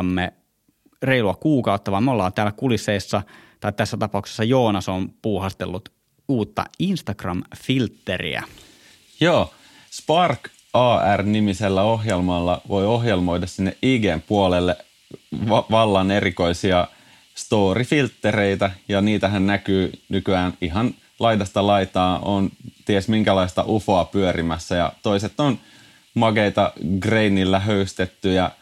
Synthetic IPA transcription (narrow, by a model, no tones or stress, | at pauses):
ɑmːe | reiluɑkuːkɑut̪ːɑʋɑːmeolːɑːnt̪æːlːækulisːeisːɑt̪ɑit̪æsːæt̪ɑpɑukse̥sːɑjoːnɑsompuːhɑst̪elːut̪ | uːt̪ːɑ̰inst̪ɑkrɑ̰mfilt̪ːerḭæ̰ | joː | spɑrk | ɑːærnimiselːæoɦjelmɑlːɑʋoioɦjelmojdɑssinːeʔiːɡeːmpuolelːe | ʋɑʋɑlːɑneɾiko̞isiɑ | st̪oːɾifilt̪ːeɾeit̪æjɑniːt̪æɦænnækyːnykyæːniɦɑn | lɑidɑst̪ɑlɑit̪ɑːont̪iesmiŋkælɑist̪ɑ̰ʔufoːpyøɾimæsːæjɑ̰t̪o̞iset̪ːon | mɑɡeit̪ɑɡreinːilːæɦøyst̪et̪ːyjɑ